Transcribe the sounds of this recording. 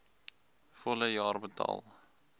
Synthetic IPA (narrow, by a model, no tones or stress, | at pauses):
fɔləjɑːrbətɑ̰ːlˠ